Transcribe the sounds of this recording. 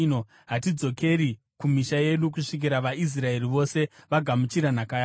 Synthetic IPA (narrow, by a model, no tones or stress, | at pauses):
no | ɦatid͡zo̞ke̞ɾi | kumiʃaje̞ɗuk̬uʂik̬iɾaʋais̬rae̞riʋo̞se̞ʋaɡʱamut͡ʃiɾanakajaː